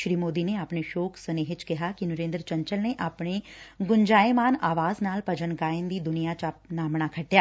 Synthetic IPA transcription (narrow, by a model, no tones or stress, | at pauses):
ʃɾiːmoːd̪ineaːpneʃoːkʰsɐneːɦɪt͡ʃkɪɦakinʊɾẽːnd̪ɾət͡ʃə̃ɲt͡ʃəlneʔaːpɳ̃eɡʊɲd͡ʒaːemaːnaːʋaːznaːlpɐd͡ʒənɡaːɪnd̪iːd̪ʊnijat͡ʃap̚naːmnaːkʰɐʈjaː